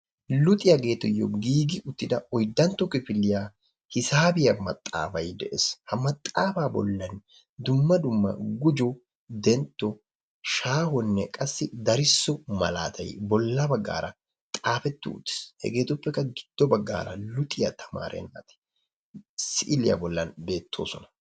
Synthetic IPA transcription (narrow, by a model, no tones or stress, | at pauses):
lʊt̪ʼɪjɐɡe̞ːt̪ːʊjːɔ̰ɡiːɡɪʔʊt̪ːɪd̪ɐɔjd̪ɐnt̪ːɔkɪfɪlːɪjaː | hɪsaːbɪjɐmɐt̪ʼːa̰ːfɐjd̪ɛʔɛshɐmɐt̪ʼːaːfaːbɔ̰lːɐn | d̪ʊmːɐd̪ʊmːɐ̰ɡʊd͡ʒɔ | d̪ɛnt̪ːɔ | ʃaːhɔnːɛkʼɐsːɪd̪ɐɾɪsːɔmɐ̰la̰ːt̪ʰɐjbɔlːɐbɐɡːa̰ːɾɐ | t̪ʼaːfɛt̪ːʊ̰ʊ̰t̪ːɪ̥shɛ̰ɡe̞ːt̪ʊpːɛkːɐɡɪd̪̥ːɔbɐɡːa̰ːɾɐ̰lʊt̪ʼɪjɐt̪ʰɐ̥ma̰ːɾɛ̰nːa̰ːt̪ɛ̥ | sɪʔɪlɪjɐ̰bɔlːɐnbe̞ːt̪ʰːo̰ːsɔnɐ̥